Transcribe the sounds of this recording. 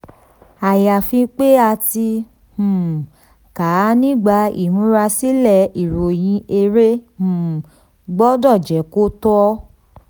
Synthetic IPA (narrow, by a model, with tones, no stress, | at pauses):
a˨ja˨fĩ˧k͡pe˦a˧ti˧ | hũ˨ | ka˨˦nĩ˦˨ɡ͡ba˧ḭ˨hũ˨˦ɾa˧si˦lɛ˦˨i˨ɾo˨j̃ĩ˧ʔe˧ɾe˦hũ˨ | ɡ͡bɔ˦dɔ˦˨d͡ʒɛ˨˦ko˦tɔ˦